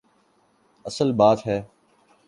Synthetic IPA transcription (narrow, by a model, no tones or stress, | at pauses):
əsəlbaːt̪ɦɛː